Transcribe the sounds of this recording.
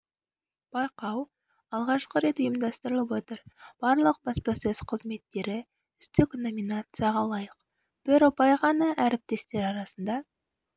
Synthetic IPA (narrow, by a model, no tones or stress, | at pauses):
b̥ɑjqɑw | ɑlˠʁɑʃqəɾe̞t̪ʊjəmd̪ɑst̪əɾəlˠəpwo̞t̪əɾb̥ɑɾlˠəq̚bɑspɑsɵzqʰəzme̞t̪ːe̞ɾɪ | ʏst̪ɪkno̞minat̪sɨjaʁɑlˠɑjəq | b̥ɪɾopɑjʁɑnɑʔæɾɪp̚t̪e̞st̪e̞ɾɑɾɑsənd̪ɑ